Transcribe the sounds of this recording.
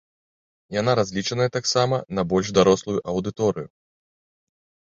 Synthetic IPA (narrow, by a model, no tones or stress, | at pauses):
jan̪aɾazʲlʲit͡ʂɐnɐjɛt̪aksamɐnɐbɔlʲʐd̪aɾɔslˠujuʔɐwd̪ɨt̪ɔɾɨju